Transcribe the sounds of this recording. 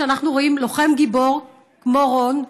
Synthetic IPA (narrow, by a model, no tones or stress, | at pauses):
anaχnuʁo̞imloχe̞mɡibo̞ʁ | kmoʁon